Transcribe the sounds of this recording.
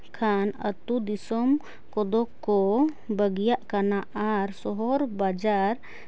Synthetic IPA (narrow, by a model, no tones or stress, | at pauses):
kʰanət̪ud̪isɔm | kɔd̪ɔkːɔ | bəɡjaʔkanaaɾsɔɦɔɾbad͡ʒaɾ